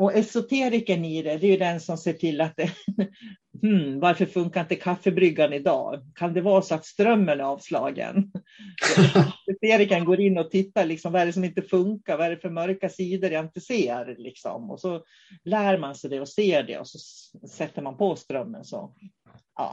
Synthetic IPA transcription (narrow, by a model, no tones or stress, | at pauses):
ɔɛsʊt̪ʰeːɾɪkənɪd̪ɛd̪ɛjʉd̪ɛnsɔmseːʈʰɪlːat̪̚d̪ɛ | hm̩vaɾfœɾfɵŋkaɾɪnt̪əkʰafːəbɾʏɡːanɪd̪ɑ̰ːkʰand̪ɛvɑːɾasɔat̪st̪ɾœmːənɑːvslɑ̰ːɡə̰n | sɔɛseːɾɪkənɡoːɾɪnːɔt̪ʰɪt̪ːaɾlɪksɔmvaɛɖɛs̬ɔmɪnt̪əfɵŋkaɾvaɛɖɛfœɾmœɾkasiːd̪əɾjaɪnt̪əseːɾlɪksɔ̰mɔ̰sɔ | læːɾmansɛjd̪ɛɔseːɖɛ̰ɔ̰sɔsɛt̪ːəɾmanpʰɔst̪ɾœmːə̰nsɔ̰ | ʔɑ̰ː